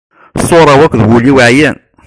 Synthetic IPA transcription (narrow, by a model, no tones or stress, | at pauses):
sˤoɾˤɑwækʷːðwuliwʕjæn